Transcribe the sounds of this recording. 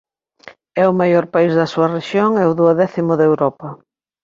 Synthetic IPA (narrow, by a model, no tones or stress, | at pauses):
ɛʊmajoɾpaizðɐsuɐreʃjoŋɛʊðuɐðɛθimʊðewɾɔpɐ